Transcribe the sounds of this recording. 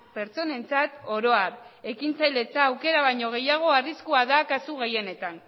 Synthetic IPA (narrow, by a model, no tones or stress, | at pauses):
pe̞ɾt͡so̞ne̞nt͡sat̪o̞ɾo̞aɾe̞kint͡sajle̞t͡saːwke̞ɾaβ̞ajɲo̞ɣ̞e̞jaɣ̞o̞ariskuaðakasuɣe̞je̞ne̞t̪an